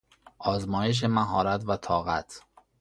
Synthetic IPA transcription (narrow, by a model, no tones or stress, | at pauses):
ʔɒːzmɒːje̞ʃ̬e̞mæɦɒːɾæt̪væt̪ʰɒːɣæ̰t̪ʰ